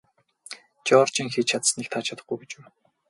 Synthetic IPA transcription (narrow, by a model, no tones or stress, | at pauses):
t͡ɕɔːr̥t͡ɕĭŋxiːt͡ɕʰat̪sənikt̪ʰaːt͡ɕʰat̪ə̆χɡujɡet͡ɕɘ̆w